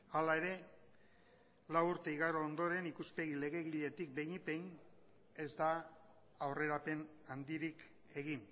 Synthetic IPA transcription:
alae̞ɾe̞ | lawuɾt̪e̞iɣaɾoːnd̪o̞ɾe̞nikuspe̞ɣ̞ile̞ɣ̞e̞ɣiʎe̞t̪ik̚be̞jɲipe̞n | e̞zd̪aː | wre̞ɾape̞n | and̪iɾik | e̞ɣ̞in

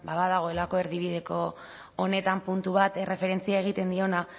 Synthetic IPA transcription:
baβaðaɣ̞o̞e̞lako̞e̞ɾðiβiðe̞ko̞ː | ne̞t̪ampunt̪uβ̞at̪e̞re̞fe̞ɾe̞nt͡siae̞ɣ̞it̪e̞nd̪io̞na

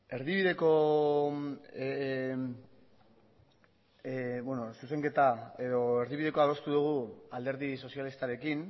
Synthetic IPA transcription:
e̞ɾðiβiðe̞ko̞ | bwenosus̬e̞ŋke̞t̪ae̞ðo̞e̞ɾðiβiðe̞ko̞aðost̪uðuɣ̞uald̪e̞ɾðiso̞sjalist̪aɾe̞kin

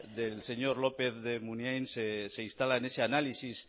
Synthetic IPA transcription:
d̪else̞ɲoɾlopeθðemunjajnsese̞inst̪alaene̞seanalisis

